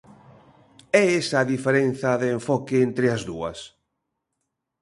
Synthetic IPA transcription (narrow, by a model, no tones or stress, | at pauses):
ɛesɐːðifeɾen̟θɐðeːɱfɔkɪent̪ɾɪɐzðuɐ̰s